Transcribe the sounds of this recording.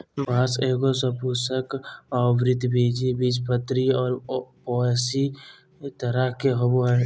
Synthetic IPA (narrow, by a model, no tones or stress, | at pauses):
baːseːɡosəpʊsəkɔːʋɾɪt̪beːd͡ʒibid͡ʒpət̪ɾiɔːɾpɔːsi | t̪əɾəkeɦobo